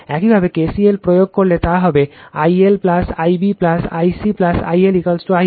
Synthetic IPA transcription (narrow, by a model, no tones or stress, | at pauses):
ɛkibʱabekesielpɾojoɡ̚koɾlet̪aɦɔbeajelplasa̰jbiplasa̰jsiplasa̰jelikəlsʈoa